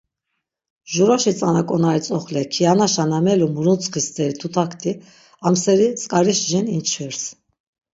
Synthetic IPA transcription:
ʒuɾaʃit͡sʼanakʼɔnait͡sʼɔχlɛkʰianaʃanamɛlumuɾut͡sʰʼχist̪ʰʼɛɾit̪ʰut̪ʰakʰt̪ʰʼi | amsɛɾit͡sʼkʼaɾiʃʒɛnint͡ʃʰvɛɾs

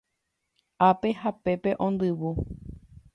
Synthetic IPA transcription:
ape̞hape̞pe̞ʔõ̞nd̪ɨwu

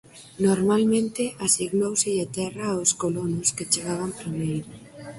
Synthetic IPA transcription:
noɾmalmẽnt̪ɪʔasiɣnowsɪʎet̪ɛraoskolonʊsket͡ʃeɣaβ̞ampɾimejɾo

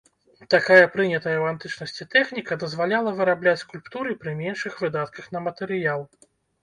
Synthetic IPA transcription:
t̪akajɐpɾɨnʲɐt̪ɐjɐwant̪ɨt͡ʂnɐsʲt͡sʲit̪ɛxnʲikɐd̪ɐzvalʲalˠɐvɨɾablʲat͡sʲskulʲpt̪uɾɨpɾɨmʲɛnʂɨxvɨd̪at̪kɐxnɐmɐt̪ɛɾɨjalˠ

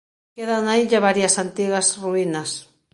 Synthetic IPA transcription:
keðanaiʎaβaɾjɐsant̪iɣasruinɐs

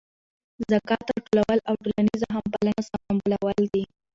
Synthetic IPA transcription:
zakɑt̪aʈolawəlawʈolanizaɦampalanasɑmambəlawəld̪i

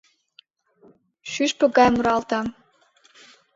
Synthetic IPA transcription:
ʃyʃpɤ̆ɡɑjmuɾɑlt̪ɑm

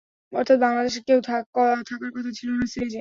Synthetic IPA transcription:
ɔ̰ɾt̪ʰat̪̚baŋlad̪eʃekewt̪ʰaɔt̪ʰakaɾkɔt̪ʰat͡ɕʰiloonaseed͡ʑe

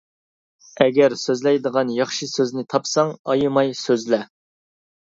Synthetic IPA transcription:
ɛɡʲɛɾsøzlɛjd̪əʁɑnjɑχʃisøznɪt̪ʰɑpsɑŋɑjɨmɑjsøzlɛ

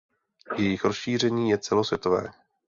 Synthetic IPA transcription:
jɛjɪxɾosʃiːr̝ɛɲiːjɛt͡sɛlo̞svjɛt̪ovɛ̰ː

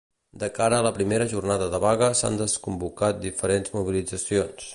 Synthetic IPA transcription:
d̪əkaɾəːləpɾimeɾəʒurnaðəðəβaɣəsa̰nd̪əskumbukat̪̚d̪ifəɾenzmuβ̞ilid͡zəsions

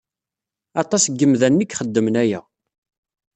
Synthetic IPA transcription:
ɑt̪ˤɑsɡːəmðænːikχəd̪ːəmnæjæ

